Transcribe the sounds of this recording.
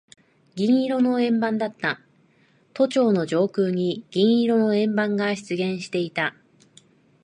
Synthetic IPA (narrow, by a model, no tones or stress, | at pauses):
ɡʲĩɰ̃iɾo̞no̞ẽ̞mbãnd̪at̪ːa | t̪o̞t͡ɕo̞ːno̞d͡ʑo̞ːkɯːɲ̟iɡ̥ʲĩɰiɾo̞no̞ẽ̞mbãŋɡaɕi̥t͡sɨɡẽ̞ɰ̃ɕi̥t̪e̞it̪a